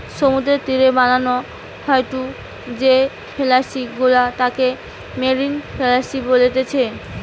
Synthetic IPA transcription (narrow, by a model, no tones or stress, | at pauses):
ʃomud̪ɾeɾt̪iɾebanano | hɔeʈu | d͡ʑe | felaʃiɡulat̪ake | meɾinfʰelaʃibolet̪et͡ɕʰe